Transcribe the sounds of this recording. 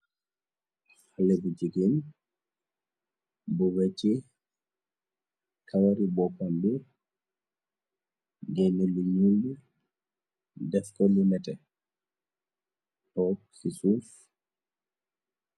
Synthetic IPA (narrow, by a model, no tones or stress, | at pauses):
halebud͡ʒiɡin | buwet͡ʃi | kʰawaɾibɔpandu | ɡɛnilːiɲuldi | dɛfkɔlimɛtɛ | pɔ | sisuf